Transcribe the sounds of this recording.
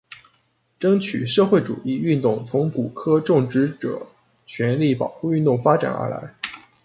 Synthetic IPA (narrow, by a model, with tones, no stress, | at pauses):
ʈ͡ʂɤ˥ŋt͡ɕʰy̰˨˩ʂɤ˥˧xwe˥˩ɪʈ͡ʂṵ˨˩i˥˧y˥˧nt̪ʊ˥˩ŋt͡sʰʊ˧˥ŋku˨˩kʰɤ˥ʈ͡ʂʊ˥˩ŋʈ͡ʂɻ̩˧˥ʈ͡ʂɤ̰˨˩˦ | t͡ɕʰɥɛ˧˥nli˥˩pɑ˨˩ʊxu˥˧y˥˧nt̪ʊ˥˩ŋfa˥ʈ͡ʂa̰˨˩nə̰˧˥la̰˧˥ɪ